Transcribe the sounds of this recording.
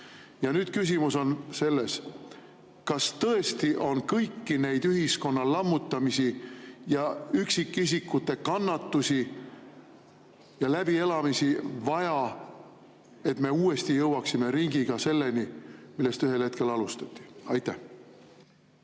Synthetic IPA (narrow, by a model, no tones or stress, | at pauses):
jɑnyːd̪̥kys̬ʲimuso̞nse̞lːe̞s | kɑst̪ɤ̞e̞st̪iʔo̞nkɤjkːine̞jd̪yɦisko̞nːɑlɑmːut̪ːˑɑmisijɑyksikːˑis̬ikːˑut̪ːˑe̞kɑnːɑt̪ːˑusi | jɑlæb̥ie̞lɑmisivɑjɑ | e̞t̪me̞uːe̞st̪ijɤwɑksime̞ɾiŋɡ̥iɡ̥ɑse̞lːe̞nimilːe̞st̪yɦe̞lhe̞t̪̚ke̞lɑlust̪ɑt̪ːˑi̥ɑjt̪ːæh